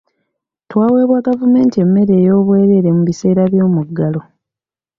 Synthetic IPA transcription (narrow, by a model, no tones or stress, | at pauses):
twaːwe̞ːβwaɡavume̞ːntie̞mːe̞ɾeːjo̞ːβwe̞ːβe̞ːɾemuβise̞ːɾaβjo̞ːmuɡːalo̞